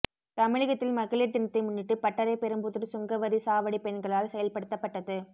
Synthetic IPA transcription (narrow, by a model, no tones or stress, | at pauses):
t̪ɐmɪɻɪɣɐt̪ːɪlmɐɣɐɭiɾt̪ɪnɐt̪ːɐɪmʊnːɪʈːɯpɐʈːɐɾɐɪpɛɾɯmbɯðɯɾsʊŋɡɐʋɐɾisaːʋɐɽipɛɳɡɐɭaːlsɛjɐlpɐɽɯt̪ːɐpːɐʈːɐðɯ